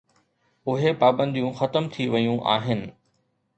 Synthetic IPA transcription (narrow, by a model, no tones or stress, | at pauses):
ʊɦepaːbə̃nd̪ijũxɐt̪əmt̪ʰiʋɐjũʔa̰ːɦɪnɪ̆